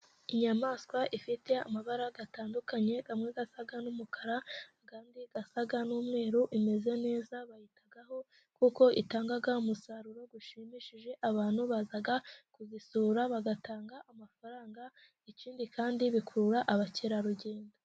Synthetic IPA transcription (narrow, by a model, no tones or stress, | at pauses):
iɲamaːskwaʔifite̞a̰maβaɾaɡataːndukaɲe̞βamŋe̞ɡasaɡanumukʰaɾa | kaːndiɡasaɡanuːmŋe̞ːɾuʔime̞ze̞ne̞ːzaβahitaɡaho̞ | kuːko̞ʔitaːŋɡaɡaumusaɾuɾo̞ɡuʃimiʃiʒe̞ʔaβaːn̥huβazaɡakuzisuɾaβaɡataːŋɡaʔamafaɾaːŋɡa | iciːndikaːndiβikʰuɾuɾaʔaβaciɾaɾuɟe̞ːndo